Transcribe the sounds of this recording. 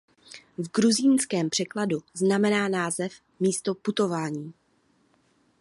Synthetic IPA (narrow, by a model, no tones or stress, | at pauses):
vɡɾuziːnskɛːmpr̥ɛkladuznamɛnaːnaːzɛf | miːst̪o̞put̪o̞vaːɲiː